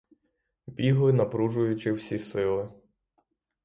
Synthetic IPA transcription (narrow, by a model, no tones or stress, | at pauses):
bʲiɦlˠɪnɐpɾuʒʊjʊt͡ʃɪwsʲisɪlˠɪ